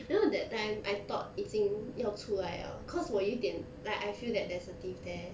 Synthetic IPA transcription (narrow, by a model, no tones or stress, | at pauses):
noɛdɛt̚tːãɪ̃mʔa̰jt̪ɔ̰t̚itĩŋjɔtʰuajə̰kʰɔswɔjudɛ̃n | laɪkajfildɛt̚dɛsətifdɛ